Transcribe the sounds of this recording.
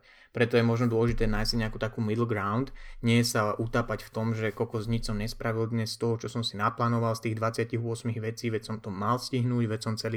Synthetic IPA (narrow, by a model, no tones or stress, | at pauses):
pɾɛt̪ɔjɛmɔʒnɔd̪ʊɔlɛʒit̪ɛːnaːjsɲɛakuːt̪akuːmid̪lɡɾaʊnd̪ɲɪɛjɛsaʔut̪aːpacft̪ɔmʒɛkɔkɔzɲit͡ʃsɔmɲɛspɾaʋild̪ɲɛst̪ɔɦɔt͡ʃɔsɔmsinaplaːnɔʋalst̪iːɣd̪ʋat͡sɪaciɣʊɔsmiɣʋɛt͡siːʋɛsɔmt̪ɔmːalsciɦnuːɟʋɛsɔmt͡sɛli